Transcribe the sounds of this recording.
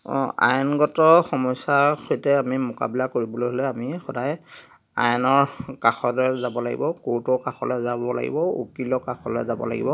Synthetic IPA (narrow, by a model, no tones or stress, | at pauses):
a̰jnɡɔtɔxɔmɔjsaxojtɛamimʊka̰bilakoɹibɔloɦɔlɛamixɔdaj | a̰jnɔɹkaxɔlɔjzabɔlaɡḭbɔkotɔkaxɔlɔzabɔla̰ɡḭbɔo̰kilɔkaxɔlɔjzabɔ̰la̰ɡḭbɔ